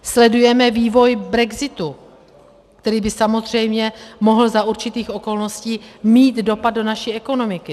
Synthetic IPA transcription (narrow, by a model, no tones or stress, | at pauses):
slɛdujɛmɛviːvo̞jbɾɛɡzɪt̪u | kt̪ɛɾiːbɪsamo̞zr̝ɛjmɲɛmo̞ɦl̩zaʔuɾt͡ʃɪt̪iːxʔo̞ko̞lno̞sciːmiːd̪do̞pad̚do̞naʃiːʔɛko̞no̞mɪkɪ